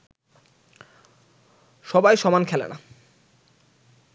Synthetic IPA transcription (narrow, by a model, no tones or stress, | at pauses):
ʃɔbajʃɔmankʰɛlḛna